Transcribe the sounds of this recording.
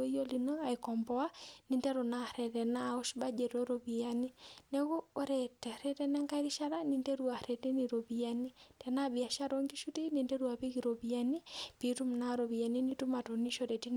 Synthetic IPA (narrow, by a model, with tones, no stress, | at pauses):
o˦i˦o˦li˨no˦a˨i˨kɔ˨mbɔa˦ni˨ndɛ˦ɾo˨na˦ɾɛ˨tɛ˨na˦ɔ˦ʃba˦d͡ʒɛ˨ɾo˦ɾo˨bi˨a˦ni˦nɛ˦ɣoː˦ɾɛtɛ˨ɾɛ˦tɛnɛ˦ŋka˦iɾi˦ʃa˦ɾa˦ni˨nde˦ɾua˨ɾɛ˨te˦ni˨ɾo˨bi˨a˦ni˦tɛ˨na˦bi˨a˨ʃa˦ɾo˦ŋɡi˦ʃu˦ti˦ni˨nde˦ɾu˦a˨pi˦ki˨ɾo˨bi˨a˦ni˦pi˨tu˦mna˦ɾo˨βi˨a˨ni˦ni˦tu˦ma˨to˨ni˦ʃo˨ɾɛ˨ti˦n